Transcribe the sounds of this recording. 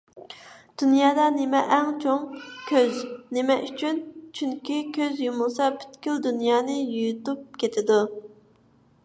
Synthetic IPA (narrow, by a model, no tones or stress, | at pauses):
d̪̥unjɑːd̪ɑnemɛʔɛŋt͡ʃʰoŋkʲʰøznemɛʔyt͡ʃʰynt͡ʃʰyŋkʲikʲʰøzjumulˠsɑpy̥t̪kʲyld̪unjɑːnɨjujut̪up̚kʲʰet̪ʰɪd̪u